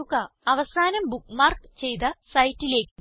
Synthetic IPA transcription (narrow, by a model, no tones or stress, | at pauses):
uɣɐɐʋɐsaːnɐmbukmaːrkt͡ɕe̞jt̪̬ɐsɐjtːile̞ːkː